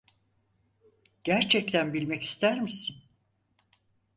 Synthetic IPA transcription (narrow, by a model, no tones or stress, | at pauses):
ɟ̥æɾt͡ʃʰɛc̚t̪ʰænbilʲmɛci̥st̪ʰæɾmisin